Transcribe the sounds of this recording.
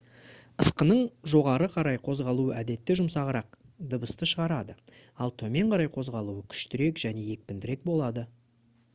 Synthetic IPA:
əsqənəɴʒo̞ʁɑɾəqʰɑɾɑjqʰo̞zʁɑlˠuəʔæd̪e̞t̪ːɪʒʊmsɑʁəɾɑq̚ | d̪əbəst̪əʃəʁɑɾɑd̪əɑlˠt̪ʰɵme̞ɴqʰɑɾɑjqʰo̞zʁɑlˠuəkʲʰʏ̥ʃt̪ɪɾe̞kʒ̥æne̞je̞k̚pɪnd̪ɪɾe̞k̚bo̞lˠɑd̪ə

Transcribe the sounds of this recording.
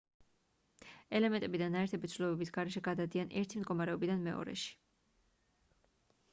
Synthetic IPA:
ɛlɛmɛnt̪ʼɛbid̪anaɛɾt̪ʰɛbit̪sʰvlɔbɛbisɡaɾɛʃɛɡad̪ad̪ianʔɛɾt̪ʰimd̪ɡɔmaɾɛɔbid̪anmɛɔ̰ɾɛ̰ʃi̥

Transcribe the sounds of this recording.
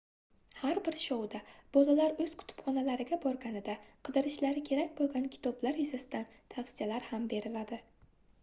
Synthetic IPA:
haɾbɪɾʃɒwd̪ab̥ɒlalaɾɵz̥qʰʊ̥t̪ʰʊ̥pχɒnalaɾɪɡʲabɒɾɡʲanɪd̪aqʰɨd̪ɪɾɪʃlaɾɪkʲʰe̞ɾakʲbolˠɡʲankʲʰɪ̥t̪ʰɒblaɾjʊzasɪd̪an | t̪ʰafsijalaɾhambe̞ɾɪlad̪ɪ

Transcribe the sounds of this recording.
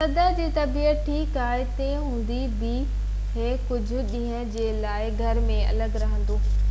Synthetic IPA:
sɐd̪əd͡ʑiːt̪ɐbiːət̪̚ʈʰiːkaːɦeɪt̪ẽːɦũːn̆d̪ibi | ɦeːkʊd͡ʑʱʊ̆ɗĩːɦə̃d͡ʑeːlaːɪɡʱɐɾmẽɐ̰ləɡɾɐɦə̃n̆d̪oː

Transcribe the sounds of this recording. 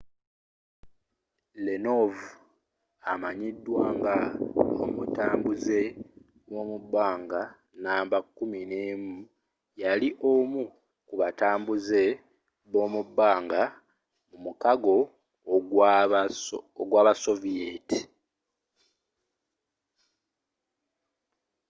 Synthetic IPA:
leno̞vu | amaɲidːwaːŋɡao̰mutaːmbuze̞ | βo̞ːmubːaːŋɡa | naːmbakːumineːmu | jaliʔomu | kuβataːmbuze̞ | βo̞ːmubːaːŋɡa | mumukaɡo̞ | oɡwaːβasovieti̥

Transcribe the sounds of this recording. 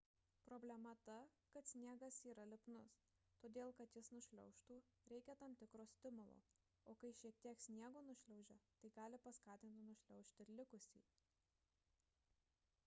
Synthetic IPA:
pɾoːbʲlʲɛmɐt̪ɐkɐt̪sʲnʲiɛɡɐsiːɾɐlʲɪpnʊs | t̪oːd̪ʲeːlˠkɐt̪jɪsnʊʃʲlʲɛ̰ʊʃt̪uː | ɾʲɛɪkʲɛt̪ɐmt̪ʲɪkɾoːsʲt̪ʲɪmʊlˠo̰ː | oːkɐɪʃʲiɛk̚t̪ʲiɛksʲnʲiɛɡoːnʊʃʲlʲɛʊʒʲɛt̪ɐɪɡɑːlʲɪpɐskɑːt̪ʲɪnʲt̪ʲɪnʊʃʲlʲɛʊʃʲt̪ʲɪɾlʲɪkʊsʲḭː

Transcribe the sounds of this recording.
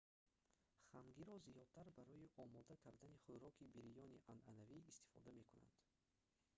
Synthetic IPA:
χaŋɡiɾɔzijɔd̪̚t̪ʰaɾbaɾɔiʔɔmɔd̪akʰaɾd̪aniχuɾɔkʰibiɾijɔniʔananaviːst̪i̥fɔ̰d̪ame̞kuna̰nd̪̥

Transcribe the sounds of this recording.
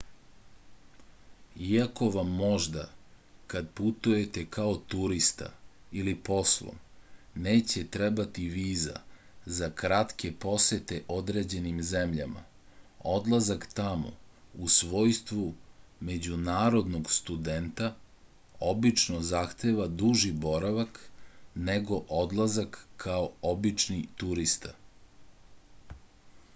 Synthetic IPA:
iako̞ʋamːo̞ʒd̪a̰ | kad̪put̪uje̞t̪e̞kʰaot̪uɾist̪a̰ | ilipo̞slˠo̰m | ne̞ːt͡ɕe̞t̪ɾebat̪iʋiːza̰ | zakɾat̪kepo̞set̪eʔo̞d̪ɾe̞ːd͡ʑe̞nimzemʎama̰ | od̪lˠazakt̪amo̞̰usʋo̞ːjst̪ʋume̞d͡ʑunaːɾo̞d̪noɡst̪ud̪ent̪a | o̞bit͡ʃnozaxt̪e̞ːʋad̪uʒibo̞ɾaʋakneɡo̞ʔod̪lˠazakʰːaoobit͡ʂnit̪uɾist̪a

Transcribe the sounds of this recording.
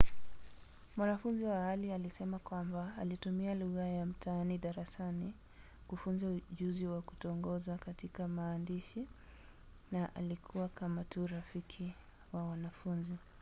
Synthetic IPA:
mwanafunziwahalialisɛmakwambaːlitumialuɣajam̩tʰaaniɗaɾasani | kufunzauʄuziwaku̥tɔɔŋɡɔzakatikamaːndiʃi | naʔa̰likʰuwakamatʰuːɾafikʰi | wawanafunzi

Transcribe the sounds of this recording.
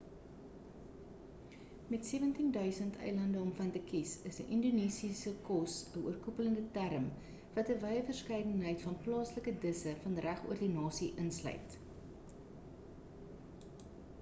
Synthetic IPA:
mɛtsiːvəntindœɥsəntʰɛ̰jlɐndəɔmfɐntəkisəsə̰ʔinduniːsisəkɔsəṵərkupələndətæɾəm | vɐtəvɛjəfərskɛjdənɦɛjtfɐnplɑːsləkədəsəfɐnræχṵərdinɑːsiʔənslœ̰ɥt

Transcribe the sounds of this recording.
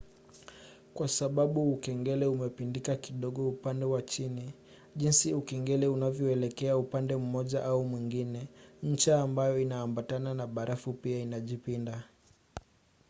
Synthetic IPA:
kwasaɓaɓuːukɛŋɡɛlɛumɛpindikakiɗɔɠɔupandɛwat͡ʃini | ʄinsiukɛŋɡɛlɛunavjɔɛlɛkɛaupandɛm̩mɔʄaʔaumwiŋɡinɛɲ̩t͡ʃaːmbajɔinaːmbatananaɓaɾʔafupiainaʄipinda

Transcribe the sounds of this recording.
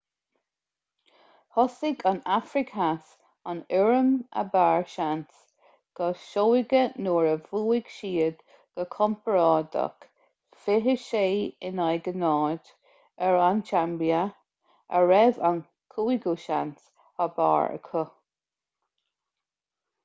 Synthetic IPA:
hɔsɪɡanafɾɪkʰas | anɪɹəmə̰baːɹʃans | ɡ̥ɔʃoːɪɡənuːɹəvuːɪɡ̥ʃiːəd̪ | ɡ̥əkʰɔmpəɹɑːd̪ə̰k | fɪɦəʃeːɪnajɡənɑːd̪ | ɛɹant͡ʃambia | ə̰ɹɛvan | kʰuːɪɡuʃa̰ns | haba̰ːɹə̰kʰə

